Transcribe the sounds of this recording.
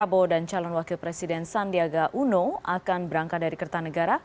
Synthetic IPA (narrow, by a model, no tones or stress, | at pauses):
abodant͡ʃalɔnwakilpɾɛsidɛnsandiaɡaʔunoa̰kanbəɾaŋkat̪̚daɾikərt̪anəɡaɾa